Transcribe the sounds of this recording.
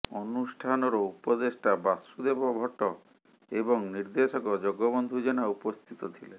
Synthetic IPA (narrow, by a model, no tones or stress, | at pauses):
ɔnusʈʰanɔɾɔupɔd̪esʈabasud̪ebɔbʱɔʈɔ | ebɔŋniɾd̪esɔkɔd͡ʒɔɡɔbɔnd̪ʱud͡ʒɔnaupɔst̪ʰit̪ɔt̪ʰile